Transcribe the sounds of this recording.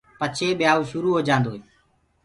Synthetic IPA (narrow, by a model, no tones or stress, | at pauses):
pət͡ʃʰeːɓjaːuːʃʊɾuːɦoːd͡ʒãːnd̪oːɦeː